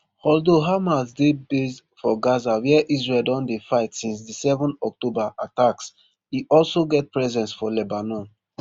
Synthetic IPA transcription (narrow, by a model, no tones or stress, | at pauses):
hɔldoɦamazdebes | fɔɡazawɛɛʔizɹɛldɔ̃ndefaɪtsĩns̬disɛvɔ̃nɔk̚tobaʔataks | hiʔɔlsoɡɛt̚pɹɛzɛ̃nsfɔlɛbanɔ̃n